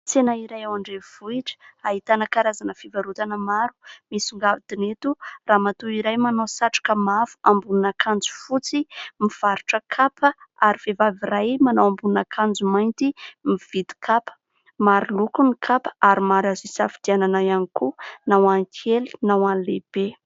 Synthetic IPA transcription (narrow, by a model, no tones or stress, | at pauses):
t͡senaiɾajawaɳɖ͡ʐev̥uiʈ͡ʂə̥aɦit̪anəkaɾazanəfivaɾut̪anəmaɾu̥misuŋɡavid̪inet̪uraːmat̪oiɾajmanawsaʈ͡ʂḁkəmavu̥ambununakʰand͡zu̥fut͡simiv̥aɾuʈ͡ʂəkʰapʰəaɾiv̥evaviɾajmanawãmbununakʰand͡zumajnt̪imiv̥id̪i̥kʰapə̥ | maɾilukunikʰapə̥aɾimaɾazisafi̥d̪̥iananajanikunawaŋkʰeli̥nawanleb̥e